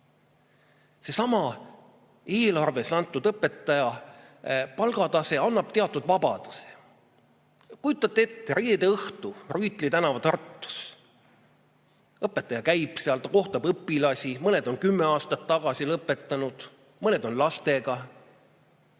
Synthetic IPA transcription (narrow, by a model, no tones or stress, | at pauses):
se̞sɑmɑ | e̞ːlɑrve̞sɑnt̪ːˑud̪ɤpːˑe̞t̪ːˑɑjɑ | pɑlɡ̥ɑd̪ɑse̞ɑnːɑb̥̚t̪e̞ɑt̪ːˑud̪̥vɑb̥ɑd̪̥u̥se̥ | kujut̪ːˑɑt̪ːˑe̞t̪ːeɾiːd̪e̞ɤht̪uryːt̪ˑlit̪ænɑvɑt̪ɑrt̪ːu̥s | ɤpːˑet̪ːˑɑjɑkæjb̥seɑlt̪ɑko̞ht̪ɑbɤpːilɑsʲimɤne̞d̪o̞nkymːe̞ɑːst̪ɑt̪ːɑɡ̥ɑsilɤpːˑe̞t̪ːˑɑnud̪̥ | mɤne̞d̪o̞nlɑst̪e̞ɡ̥ɑ